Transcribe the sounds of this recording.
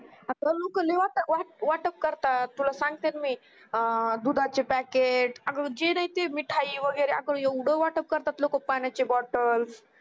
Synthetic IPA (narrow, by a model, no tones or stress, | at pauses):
at̪əlokəleʋat̪əʋaʈʋaʈəp̚kəɾt̪at̪ːulasãŋɡ̚t̪enmi | d̪ud̪ʱat͡ɕepɛkeʈaɡəɾd͡ʑenaɦit̪emiʈʰaiʋəɡəjɾeaɡəɾjəwɽəʋaʈəp̚kəɾt̪at̪lokəpanjat͡ɕebɔʈəls